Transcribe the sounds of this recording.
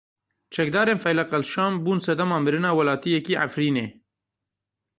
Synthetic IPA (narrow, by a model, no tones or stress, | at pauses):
t͡ʃɛk̚d̪ɑːɾeːnfɛjlɐqɐlʃɑːmbuːnsɛd̪ɐmɑːmɨɾɨnɑːwɐlɑːt̪ijɛkiːʔa̰fɾiːneː